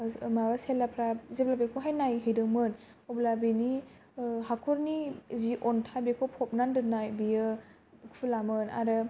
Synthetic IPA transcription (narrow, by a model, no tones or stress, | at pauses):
maβaselapʰɾazeblabekʰoɦajnajɦɯjdɯmɯn | oblabini | ɦakʰɔɾniziʔɔntʰabekʰɔpʰɔp̚nandɯnajbijɯ | kʰulamɯna̰ɾɯ